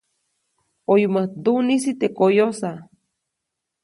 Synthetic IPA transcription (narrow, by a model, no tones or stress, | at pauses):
ojumad̪unisit̪ekojosa